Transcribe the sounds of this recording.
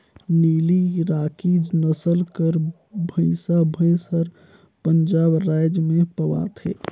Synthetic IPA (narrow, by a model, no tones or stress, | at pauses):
niːliɾaːkiːd͡ʒnəsəlkəɾ | bʱəɪsabʱəɪsəɾ | pənd͡ʒaːbɾaːɪd͡ʒmẽpəwa̰ːt̪ʰɦḛː